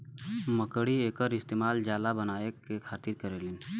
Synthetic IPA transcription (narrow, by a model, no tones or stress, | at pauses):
məkəɽieːkəɾɪst̪eːmaːld͡ʒaːlabənaːekekʰaːt̪ɪɾkəɾeːlin